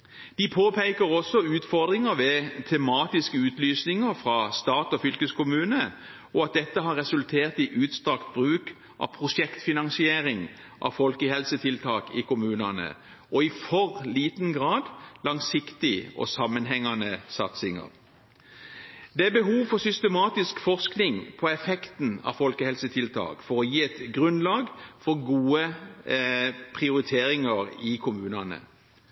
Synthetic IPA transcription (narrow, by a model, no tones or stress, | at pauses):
d̪̥ɪpʰoːpʰeɪkəʁɔsɔʉːt̪fɔʁd̪ʁɪŋəʋɛt̪ʰɛmɑːt̪ɪskəʉːt̪lyːsnɪŋəʁfʁɑːst̪ɑːt̪ɔfʏlkəskʰʊmʉːnə | ɔɑt̪̚d̪ɛt̪ːəɦɑʁɛsʉlt̪ʰeːʁt̪ɪʔʉːt̪st̪ʁɑkt̪̚bʁʉːk | ʔɑ̰ʋpʰʁʊʃɛkt̪fɪnɑŋsɪeːɾɪŋ | ʔɑ̰ʋfɔlkəhɛlsət̪ʰɪlt̪ʰɑːkɪkʊmʉːnɑnə̰ | ʔɔɪfɔʁliːt̪n̩ɡʁɑːd̪lɑŋsɪkt̪ɪʔɔ̰sɑmːənɦɛŋːɑnəsɑt̪sɪŋə̰ʁ | d̪ɛæbəɦuːʋfɔsʏst̪əmɑːt̪ɪskfɔʁsknɪŋpʰɔɛfɛkt̪n̩ɑ̰fɔlkəhɛlsət̪ʰɪlt̪ʰɑ̰ːkfɔʁɔjiːɛt̪ɡʁʉnlɑːɡfɔʁɡuːə | pʰʁɪʊʁɪt̪ʰeːɾɪŋəʁɪkʰʊmʉːnɑnə̰